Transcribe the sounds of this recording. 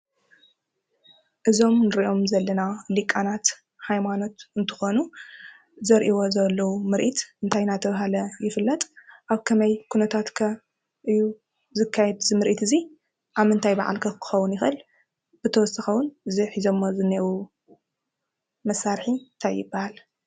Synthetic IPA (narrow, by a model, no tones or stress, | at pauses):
ʔɨzo̞mnɨɾiʔo̞mzɐlːɐnalikʼːanat̪ | hajmano̞t̪ɨnt̪ʰɨ̥xonu | zɐɾʔiwo̞zɐlːɐwumɨɾʔit̪ɨnt̪ʰajnat̪ʰɐβaɦalɐjɪfɨlːɐt̪ʼʔaβkʰɐmɐjkʰunɐt̪ʰat̪kʰɐ | ʔɨjːu | zɨkʰːajɛd̪zɨmɨɾʔit̪ʰɨzi | ʔaβmɨnt̪ʰajba̰ʕa̰lkʰɐkʰɨ̥xɐwʊnjɪxʔɨl | b̥ɨt̪ʰɐwɔsɐxɐwːʊnɨziħizomːozɨnewu | mɐsːaɾħint̪ʰajːɪbːahal